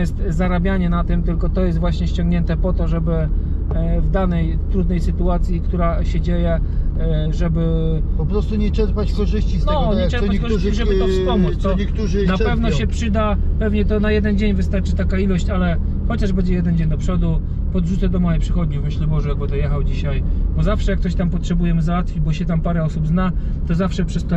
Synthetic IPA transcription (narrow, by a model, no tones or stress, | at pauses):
ɛst̪zaɾabʲjaɲɛnat̪ɪmt̪ɘlkɔt̪ɔjɛst̪vwaɕɲɛɕt͡ɕɔ̃ŋɡɲɛnt̪ɛpɔt̪ɔʐɛbɘ | vd̪anɛj | t̪ɾud̪nɛjsɘt̪uat̪sʲjikt̪uɾaɕɛd͡ʑejɛ | ʐɛbɘ | pɔpɾɔst̪uɲɛt͡ʂɛɾpat͡ɕkɔʐɘɕt͡ɕisnɛɔɲɲɛɛɾppakɔʐt͡ɕiʐɛbɘt̪ɔfsɔmut̪t̪ɔɲɛkt̪uʐnapɛvnɔɕɛpʂɘd̪apɛvɲɛt̪ɔnajɛd̪ɛnd͡ʑeɲvɘst̪aɾt͡ʂɘ̥t̪akailɔɕt͡ɕalɛ | xɔt͡ɕaʐbɛɲd͡ʑɛjɛd̪ɛnd͡ʑeɲd̪ɔpʂɔd̪u | pɔd̪ʐut̪sɛd̪ɔmɔjepʂɘxɔd̪ɲuvmɘɕlɛbɔʐɛjaɡ̚bɨd̪ɔjɛxawd͡ʑiɕajbɔzafʂɛjakt̪ɔɕt̪ampɔtʂɛbujɛmzawat̪fʲid͡ʑbɔɕɛt̪ampaɾɛɔsubzna | t̪ɔzafʂɛpʂɛst̪ɔ